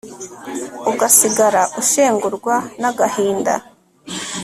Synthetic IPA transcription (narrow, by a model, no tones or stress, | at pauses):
uɡasiɡaɾaʔuʃe̞ːŋɡuɾɡwanaɡahiːnda̰